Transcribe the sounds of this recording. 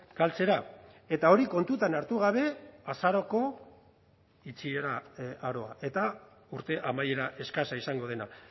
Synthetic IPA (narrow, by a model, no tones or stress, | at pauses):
kalt͡se̞ɾa | e̞t̪ao̞ɾiko̞nt̪ut̪anaɾt̪uɣ̞aβ̞e̞asaɾo̞ko̞ | it͡sieɾaaɾo̞aʔe̞t̪a | uɾt̪e̞ʔamaje̞ɾaʔe̞skasaisaŋɡo̞ð̞e̞na